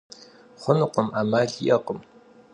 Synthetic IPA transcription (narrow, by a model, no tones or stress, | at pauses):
χʷʊnɨqʷəmaːmaːɮḭʔɐqəm